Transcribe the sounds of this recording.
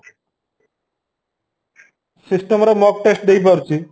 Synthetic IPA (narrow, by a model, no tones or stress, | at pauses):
sisʈəmɾɔmɔk̚ʈesʈ̚d̪eipəɾt͡ɕi